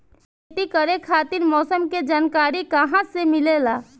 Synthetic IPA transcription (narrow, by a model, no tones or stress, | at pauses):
ʈikəɾekʰaːt̪iɾmɔːsəmked͡ʒaːnkaːɾikəɦãsemilelaː